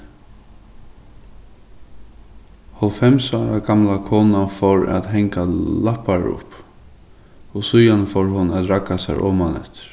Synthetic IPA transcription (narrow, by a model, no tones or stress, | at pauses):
hɔlfɛmsaːɾaɡamlakʰɔːnafɔɹa̰ðɦɛŋkalahpaɾʊ̰p | ɔɣsʊjanfɔɹɦʊnat̪ɾakːasa̰ɾʔɔ̰ːmanɛ̰ht̪ɪ̥ɾ̥